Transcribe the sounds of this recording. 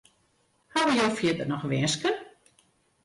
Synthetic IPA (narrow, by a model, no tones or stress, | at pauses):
haʋəjowfjɪtərnɔxʋɛːskən